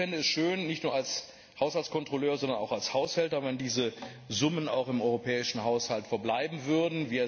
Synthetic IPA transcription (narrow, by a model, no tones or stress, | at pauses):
fɪndəɛsʃøːnnɪçtnuːɐals | haʊshalt͡sskʰɔntʁ̥oløːɐzɔndɐnaʊxalshaʊshɛltɐvɛndiːzə | zʊməna̰ʊxɪmɔʏʁopʰɛːɪʃn̩ɦaʊshaltfɛɐblaɪbm̩vʏɐdn̩viːɛ